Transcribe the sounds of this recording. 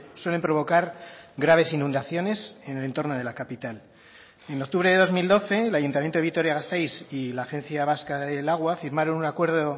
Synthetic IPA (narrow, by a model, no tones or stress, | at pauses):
swe̞le̞mpɾo̞β̞o̞kaɾɡɾaβ̞e̞sinũnd̪aθjo̞ne̞se̞nele̞nt̪o̞rnoðe̞lakapit̪al | e̞nok̚t̪uβɾe̞ðe̞ðo̞zmild̪o̞θe̞lajunt̪amjent̪oit̪o̞ɾjaɣast̪ajsilaːxenθjaβ̞askaðe̞laɣ̞wafiɾmaɾo̞nunakwe̞ɾðo̞